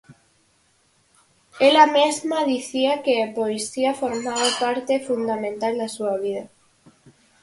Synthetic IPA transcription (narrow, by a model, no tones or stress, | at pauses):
elamezmaðiθiakeapoesiafoɾmaβapaɾt̪efund̪amẽnt̪ald̪asuaβ̞ið̞a